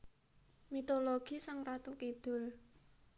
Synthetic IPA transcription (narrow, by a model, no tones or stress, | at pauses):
mit̪oloɡ̥i̤saŋrat̪ukid̪̥ʊ̤l